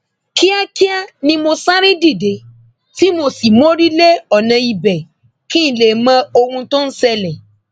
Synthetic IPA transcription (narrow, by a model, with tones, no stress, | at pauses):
ki˦a˦ki˦a˦nĩ˧mo˧sa˦ɾĩ˦di˦˨de˨˦ | ti˦mo˧si˨mo˦ɾi˦le˦ɔ˦˨nã˧i˨bɛ˨ | kĩ˦n̩˨le˨mã˧˦o˧hũ˧to˦n̩˦sɛ˧lɛ˨